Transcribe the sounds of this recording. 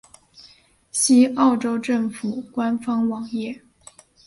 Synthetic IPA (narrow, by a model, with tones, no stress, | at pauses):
ɕi˥ɑ˥˩ʊʈ͡ʂo˥ʊʈ͡ʂɤ˥˩ŋfu˨˩kwa˥nfɑ˥ŋwɑ˨˩ŋjɛ˥˩